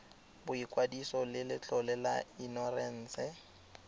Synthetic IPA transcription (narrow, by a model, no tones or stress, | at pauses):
bʊikʼwadisɔlɪlɪt͡ɬʼɔlɛlainɔrɛn̩ːt͡sɛ